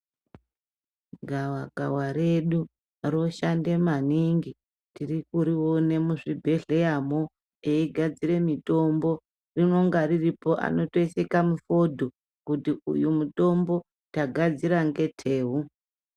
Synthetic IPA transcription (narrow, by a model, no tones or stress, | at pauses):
ɡʱawaɡʱawaɾe̞ɗu | ro̞ʃande̞maniŋɡi | tirikuɾiwone̞muʐibʱe̞ɮe̞jamo | eiɡʱad͡ziɾe̞mito̞mbo̞ | rino̞ŋɡariripo̞ʔa̰no̞to̞isekamufo̞dʱo | kutiṵjumuto̞mbo̞ | taɡʱad͡ziɾaŋɡe̞tʰe̞ːɦu